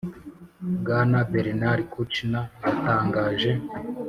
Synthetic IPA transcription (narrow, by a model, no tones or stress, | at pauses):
bɡaːnabeɾenaɾikut͡ʃinaataːŋɡaːʒe